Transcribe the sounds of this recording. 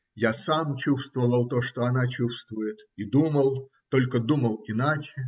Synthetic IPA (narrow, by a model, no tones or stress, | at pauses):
jasamt͡ɕust̪vəvəlˠt̪oʂt̪oɐnat͡ɕust̪vʊjɪt̪id̪uməlˠ | t̪o̞lʲkəd̪uməlˠɪnat͡ɕɪ